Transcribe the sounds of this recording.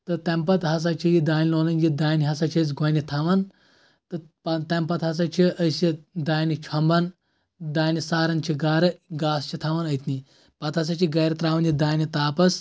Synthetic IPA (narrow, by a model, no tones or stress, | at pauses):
t̪ɨt̪ɐmpɐt̪ɦɐs̬at͡ʃʰijid̪aːnʲiloːnɐnd͡ʒid̪aːniɦɐsat͡ʃʰit͡s̬ɡʱɐnit̪ʰɐʋɐn | t̪ɨpɐt̪ɐmpɐt̪ɦɐs̬at͡ʃʰiəsid̪aːjnit͡ʃʰɐmbɐn | d̪aːnisaːɾɐnt͡ʃʰiɡaːɾɐɡaːst͡ʃʰit̪ʰaʋɐnɐjt̪ni | pɐt̪ɦɐs̬at͡ʃʰiɡɐɾɐt̪ɾaːʋɐnd͡ʒid̪aːjnit̪aːpɐs